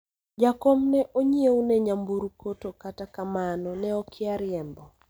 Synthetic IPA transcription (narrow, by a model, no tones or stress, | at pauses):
d͡ʒakomnɛʔoɲieunɛɲambuɾukotokatakamanɔnɛɔkʰɪaɾɪɛmbɔ